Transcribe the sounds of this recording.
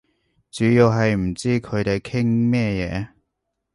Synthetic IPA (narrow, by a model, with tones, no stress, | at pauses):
t͡syː˨˥jiː˧wɦɐ˨jm̩˨˩t͡siː˥kʰɵ˨˧ɥt̪e˨jkʰɪ˥ŋmɛː˥˧jɛː˨˧